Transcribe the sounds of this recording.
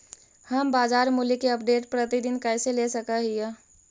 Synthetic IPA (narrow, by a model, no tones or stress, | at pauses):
həmbaːd͡ʒaːɾmulikeɐp̚ɖeːʈpɾət̪id̪ɪnkɛːselesəkaɦija